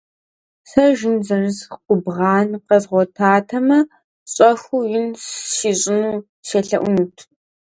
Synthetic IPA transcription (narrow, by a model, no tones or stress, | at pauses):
sɐʒɪnzɐrɨzqʷʊbʁɑːnqɐzʁʷɔtʰaːtʰɐmɐ | ɕʼɐxʷujɪnsʃiɕʼɪnuː | seɬɐʔʷʊnutʰ